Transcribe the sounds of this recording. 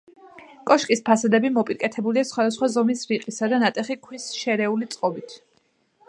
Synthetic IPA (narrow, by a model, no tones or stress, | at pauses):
kʼɔʃkʼispʰasad̪ɛbimɔpʼiɾkʼɛt̪ʰɛbuliasχwad̪asχwazɔmisɾiqʼisad̪anat̪ʼɛχikʰwisʃɛɾɛulit̪sʼqʼɔbit̪ʰ